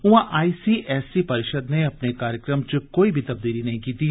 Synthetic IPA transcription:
ʊãʔaːiːsiːʔɛːsipɐɾɪʃəd̪neɐpnekaːɾjəkɾəmt͡ʃkoːibʱit̪ɐb̚d̪iːlinɐɦĩkiːt̪i

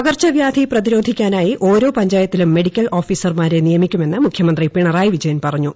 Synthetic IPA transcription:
ɐɣɐrt͡ɕɐʋjaːd̪ʱiprɐðiɾo̞ːd̪ʱikʲːaːnaːjiʔo̞ːɾo̞ːpɐɲd͡ʑaːjɐt̪ːilumːe̞ɽikʲːɐlo̞ːfiːsɐrmaːɾenijɐmikʲːume̞nːɨmukʰjɐmɐnd̪ripiɳɐraːjiʋid͡ʑɐjɐnpɐrɐɲːu

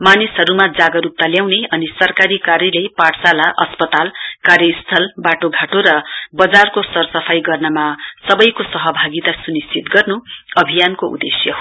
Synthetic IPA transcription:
manisɦʌɾumad͡zaɡʌɾup̚t̪aljawneʌnisʌrkaɾikaɾjʌlepaʈʰsalaʔʌspʌt̪alkarjʌist̪ʰʌlbaʈoɡʱaʈoɾʌbʌd͡zarkosʌrsʌpʰajɡʌrnʌmasʌbʌjkosʌɦʌbʱaɡit̪asunist͡sit̪ɡʌrnuʌbʱijankoṵd̪esjʌ

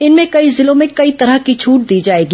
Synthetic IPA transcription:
ɪnmẽkɐizɪlõmẽkɐit̪ɐɾəɦkit͡ʃʰuːʈ̚d̪iːd͡ʒaːeːɡi

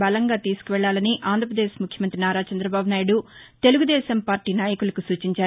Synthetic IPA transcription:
bɐlɐŋɡaːt̪iːsu̥kuʋɛɭːaːlɐniʔaːnd̪ʱɾɐpɾɐd̪eːʃmukʰjɐmɐnt̪ɾinaːɾaːt͡ʃɐnd̪ɾɐbaːbunaːjiɽut̪e̞luɡud̪ɛːʃɐmpaːɾʈiːnaːjɐkulɐkusuːt͡ʃiɲt͡ʃaː

